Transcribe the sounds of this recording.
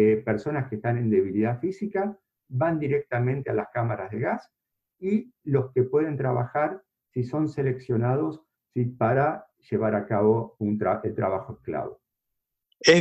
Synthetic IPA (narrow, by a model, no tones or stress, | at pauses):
epeɾso̞naskest̪ane̞nd̪e̞βiliðafisika | βand̪iɾek̚t̪amẽnt̪ealaskamaɾazðeɣas | ilo̞ske̞pwe̞ðe̞nt̪ɾaβa̰xaɾ | siso̞nsele̞ksjo̞naðo̞sː | ipaɾa | ʒ̥e̞βaɾakaβo̞unt̪aelt̪ɾa̰βaxoeskla̰βo̰ | e